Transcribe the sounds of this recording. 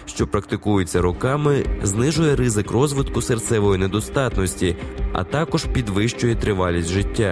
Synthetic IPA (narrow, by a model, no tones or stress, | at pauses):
ʃt͡ʃɔpɾɐkt̪ɪkujʊt͡sʲːɐɾʊkɑmɪznɪʒʊjɛɾɪzɪkrɔzʋɪt̪kʊsert̪sɛʋɔjined̪ɔst̪ɑt̪nɔsʲtʲiɐ̰t̪ɑkɔʒpʲid̪ʋɪʃt͡ʃʊjɛt̪ɾɪʋɑlʲisʲtʲʒɪtʲːa